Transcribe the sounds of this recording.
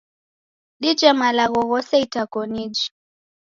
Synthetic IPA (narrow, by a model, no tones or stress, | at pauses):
ɗid͡ʒɛmalaɣɔɣɔsɛitakɔnid͡ʒi̥